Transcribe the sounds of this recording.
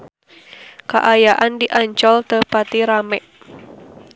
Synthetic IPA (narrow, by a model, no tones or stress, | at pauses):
ka̰ʔajaʔandiʔaɲt͡ʃɔlt̪əpat̪iɾamɛʔ